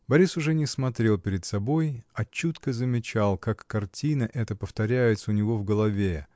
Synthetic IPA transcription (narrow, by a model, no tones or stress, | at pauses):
bɐɾʲisʊʐɛnʲɪsmɐt̪ɾʲe̞lˠpʲɪɾʲɪt̪sɐbo̞jɐt͡ɕut̪kəzəmʲɪt͡ɕalˠkakːɐrtʲinəʔɛt̪əpəft̪ɐɾʲæjɪt̪səʊnʲɪvo̞vɡəlˠɐvʲe